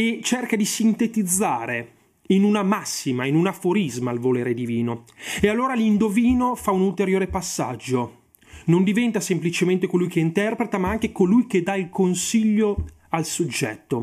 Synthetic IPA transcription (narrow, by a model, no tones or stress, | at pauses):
et͡ʃerkad̪isint̪et̪id̪zːaːɾe | inunamasːimainunafoɾizmalvoleːɾed̪iviːnoealːoːɾalind̪oviːnofaunult̪eɾjoːɾepasːa̰d͡ʒːo | nond̪ivɛnt̪asemplit͡ʃement̪ekolujkeint̪ɛrpɾet̪amaaŋk̟ekolujk̟ed̪ailkonsiʎːo | alsod͡ʒːɛ̰t̪ːo